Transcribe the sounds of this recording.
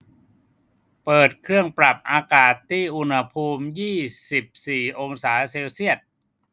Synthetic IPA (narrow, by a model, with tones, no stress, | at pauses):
pɤː˨˩t̪̚kʰɾɯ˥˩əŋpɾa˨˩p̚ʔaː˧kaː˨˩t̪ʰːiː˥˩ʔu˧nha˧pʰuː˧mjiː˥˩si˨˩p̚siː˨˩ʔo˧ŋsaː˩˦seː˧wsi˥˩ət̪̚